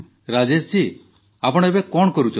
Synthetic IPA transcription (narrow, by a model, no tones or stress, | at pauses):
ɾad͡ʒest͡ʃi | apɔɽ̃ɔebekɔɳɔkɔɾut͡ʃʰɔ